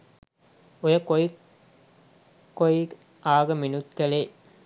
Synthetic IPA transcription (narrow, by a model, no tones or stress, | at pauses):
ujɐkoj | koj | aːɡɐminut̪kɐleː